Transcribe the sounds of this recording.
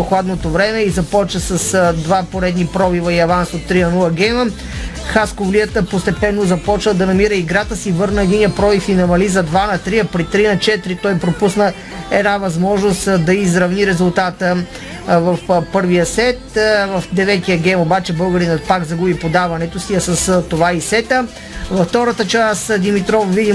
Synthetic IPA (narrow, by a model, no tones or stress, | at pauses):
oxlˠad̪not̪ovɾɛmɛizɐpɔt͡ʃnəsəsd̪vapoɾɛd̪nipɾɔvivɐiɐvansot̪ːɾiɐnulˠəɡɛjmə | xaskovliət̪əpost̪ɛpɛnːozɐpɔt͡ʃnəd̪ɐnɐmiɾəiɡɾat̪əsivɤɾnəɡʲinʲiəpɾɔvifinɐmɐlizɐd̪vanɐt̪ɾiəpɾit̪ɾinɐt͡ʃɛt̪ɾit̪ɔjpɾopusnə | ɛd̪navɐzmɔʒnost̪d̪ɐizɾɐvniɾɛzulˠt̪at̪ə | vɐfpɤɾvijəsɛt̪vɐfd̪ɛvɛt̪ijəɡɛjmobat͡ʃɛbɤlˠɡəɾinɐpakzɐɡubipod̪avɐnɛt̪osiɐsɐst̪ovaisɛt̪ə | vɐft̪ɔɾət̪ət͡ʃasd̪imit̪ɾɔfvid̪i